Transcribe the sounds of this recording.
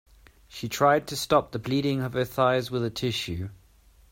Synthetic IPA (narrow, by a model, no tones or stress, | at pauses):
ʃitʰɹ̥aɪd̚tʰəstɒp̚ðəbliːɾɪ̃ŋəv̥əθaɪzwɪðətʰɪʃʉ